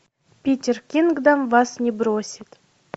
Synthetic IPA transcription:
pʲitʲerkʲinɡd̪ɑmvɑsnʲɪbɾosʲit̪

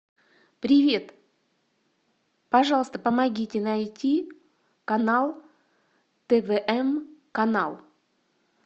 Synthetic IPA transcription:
pɾʲɪvʲe̞t̪ | pɐʐɑlˠəst̪əpəmɐɡʲitʲɪnɐjtʲi | kɐnalˠ | t̪ɛvɛʔɛmkɐnalˠ

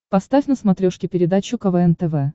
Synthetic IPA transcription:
pɐst̪afʲnəsmɐt̪ɾʲoʂkʲɪpʲɪɾʲɪd̪at͡ɕʊkɐvɛɛnt̪ɛvɛ

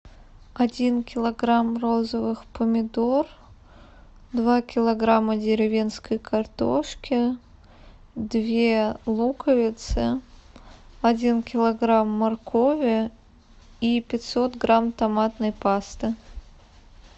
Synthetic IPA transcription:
ɐdʲinkʲɪlˠɐɡɾamro̞zəvɨxpəmʲɪd̪or | d̪vakʲɪlˠɐɡɾamədʲɪɾʲɪvʲenskəjkʰɐrt̪o̰ʂkʲɪ | d̪vʲe̞lˠukəvʲɪt̪sɨ | ɐdʲinkʲɪlˠɐɡɾamːɐrkʰo̞vʲɪ | ipʲɪtʲso̞t̪ɡɾamt̪ɐmat̪nəjpast̪ɨ

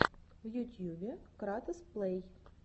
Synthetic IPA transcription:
vjut̪ʲjubʲɪkɾat̪əsplˠej

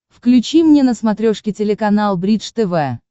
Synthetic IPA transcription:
fklʲʉt͡ɕimnʲenəsmɐt̪ɾʲoʂkʲɪtʲɪlʲɪkɐnalˠbɾʲiʂt̪ɛvɛ

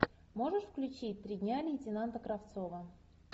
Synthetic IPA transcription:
moʐɨʂfklʲʉt͡ɕit̚ʲt̪ɾʲidʲnʲalʲɪjɪtʲɪnant̪əkɾaft̪sovə

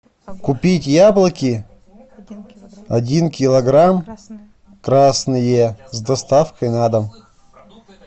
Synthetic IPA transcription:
kʊpʲitʲjablˠəkʲɪ | ɐdʲinkʲɪlˠɐɡɾam | kɾasnɨjezd̪ɐst̪afkəjnad̪əm

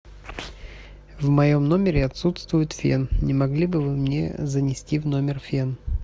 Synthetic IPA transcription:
vmɐjomno̞mʲɪɾʲɪɐt̪sut̪st̪vʊjʊt̪fʲḛnnʲɪmɐɡlʲibɨvɨmnʲḛzənʲɪsʲtʲivno̞mʲɪrfʲen

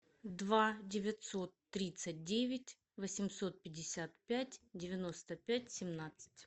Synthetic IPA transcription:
d̪vadʲɪvʲɪt̪so̞t̪ːɾʲit̪sət̚ʲdʲevʲɪtʲ | vəsʲɪmso̞t̪̚pʲɪdʲɪsʲat̪pʲætʲdʲɪvʲɪno̞st̪əpʲætʲsʲɪmnat̪sɨ̥tʲ

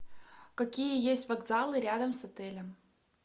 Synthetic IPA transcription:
kɐkʲijəjesʲtʲvɐɡzalˠɨɾʲad̪əmsɐt̪ɛlʲəm

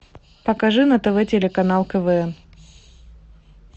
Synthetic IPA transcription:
pɐkɐʐɨnɐt̪ɛvɛtʲɪlʲɪkɐnalˠkəvɛɛn

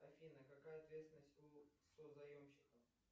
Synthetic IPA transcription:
ɐfʲinəkɐkajəɐt̪vʲet̪sʲɪnəsʲtʲusozɐjomɕːɪkəf

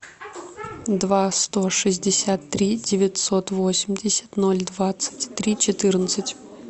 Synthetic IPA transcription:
d̪vast̪o̞ʂɨzʲdʲɪsʲat̪ːɾʲidʲɪvʲɪtʲso̞t̪vosʲɪmʲdʲɪsʲə̥t̪no̞lʲd̪vat̪sɨ̥tʲt̪ɾʲit͡ɕɪt̪ɨrnət̪sɨtʲ

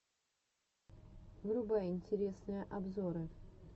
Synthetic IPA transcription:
vɾʊbaɪnʲtʲɪɾʲesnɨjəʔɐbzoɾɨ

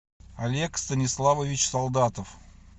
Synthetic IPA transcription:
alʲe̞kst̪ənʲislˠavovʲit͡ɕsɑlˠd̪at̪əf

